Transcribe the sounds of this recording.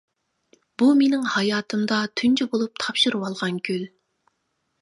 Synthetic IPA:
b̥umenɪŋhɑjɑːt̪ʰɨmd̪ɑt̪ʰynt͡ʃʰɛbolˠup̚t̪ʰɑpʃɨɾɨwɑlˠʁɑnɡʲyl

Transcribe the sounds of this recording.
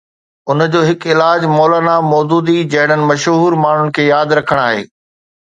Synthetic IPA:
ʊnd͡ʑoːɦɪkɪlaːd͡ʑmɔːlaːnamɔːd̪uːd̪id͡ʑɐɦɪɽ̤ənɪ̆mɐʃɦuːɾmaːɳ̤ʊnɪ̆kʰeːjaːd̪ɾɐkʰəɽ̃aːɦḛː

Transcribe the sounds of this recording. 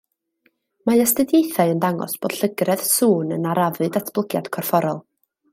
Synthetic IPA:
maəstədjejθaɨəndaŋɔ̰sb̥oːd̥ɬəɡrɛð̥suːnənaɾavɨdatʰb̥lˠəɡja̰d̥kʰɔrfɔɾɔlˠ

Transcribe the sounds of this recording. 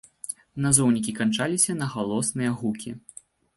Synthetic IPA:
nazɔwnʲikʲikant͡ʂalʲisʲɐnɐɣalˠɔsnɨjɐɣukʲi

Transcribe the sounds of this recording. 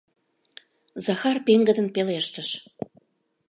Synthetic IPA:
zɑxɑrpeŋɡəd̪ənpeleʃt̪əʃ

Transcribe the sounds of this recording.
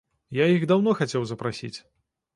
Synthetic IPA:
jaiɣd̪awnɔxat͡sʲɛwzɐpɾasʲḭt͡sʲ

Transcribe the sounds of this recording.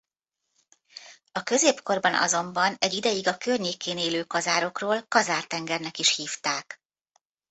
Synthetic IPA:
ɒkø̞zeːpko̞rbɒnɒ̰zo̞mbɒnɛɟid̪ɛjiɡɒkørɲeːkeːneːløːkɒzaːɾo̞kroːlkɒzaːrt̪ɛŋɡɛrnɛkiʃhiːft̪aːk

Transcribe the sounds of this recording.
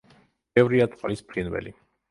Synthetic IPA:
bɛvɾiat̪sʼqʼlispʰɾinvɛ̰li

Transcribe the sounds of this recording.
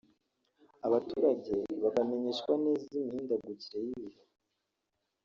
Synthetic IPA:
aβatuɾaɟe̞βaɡame̞ɲeʃkwanezinhiːndaɡuciɾe̞jiβiho

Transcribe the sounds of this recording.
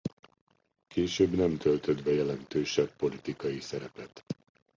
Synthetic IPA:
keːʃøːbnɛmt̪ʰø̞lt̪ød̪bɛjɛlɛnt̪øːʃɛpːo̞lit̪ikɒjisɛɾɛpɛt̪

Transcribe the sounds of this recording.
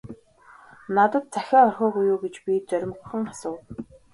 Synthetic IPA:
nat̪ə̆t̪̚t͡sæxʲaːɔrxɔːɡujuːɡet͡ɕpʲit͡sœɾ̆ʲmɡɵxɘ̆ŋasʊːw

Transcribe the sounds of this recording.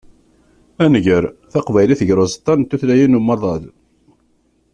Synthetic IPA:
ænəʝəɾθɑqvæjliθəʝɾozt̪ˤːɑnt̪ːuθlæjinuməɾðˤɑð

